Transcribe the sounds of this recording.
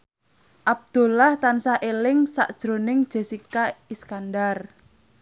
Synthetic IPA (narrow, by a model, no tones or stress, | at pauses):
ʔab̚d̪̥o̤laht̪ansaʔelɪŋsa̰ʔd̥ʒ̥ɾonɪŋd̥ʒ̥e̤sikaiskandar